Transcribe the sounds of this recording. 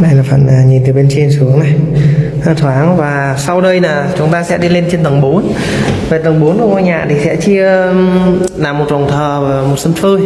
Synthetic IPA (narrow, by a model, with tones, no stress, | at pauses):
ɗa˧jlaː˨˩fə̰˧˨naː˨˩ɲi˨˩nt̪ɨ˨˩ɓe˧nt͡ɕe˧nsu˨˦əŋna˨˩j | t̪ʰwaː˨˦ŋvaː˨˩ | sa˧wɗə˧jnaː˨˩t͡ɕʊ˨˦ŋ͡mt̪aː˧sɛ̰˧˥ɗi˧le˧nt͡ɕe˧nt̪ə˨˩ŋɓo˨˦n | ve˨˩t̪ə˨˩ŋ͡mɓu˨˦nɗŋʔo˧˩jɲa̰ː˨˩t̪ʰi˨˩sɛ̰˧˥t͡ɕi˧ə | naː˨˩mːo˨˩t̚vɔ˨˩wŋ͡mt̪ʰəː˨˩vːmo˨˩t̚sə˧nfɨ˧